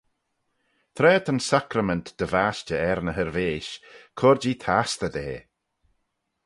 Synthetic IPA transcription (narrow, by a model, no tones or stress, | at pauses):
t̪ʰɾɛːt̪ʰənsakɾəmɛnt̪d̪̥əvaːst͡ʃəɛɾnəɦəɾveːʃkʰɔɾd͡ʒiːt̪ʰast̪əd̪eː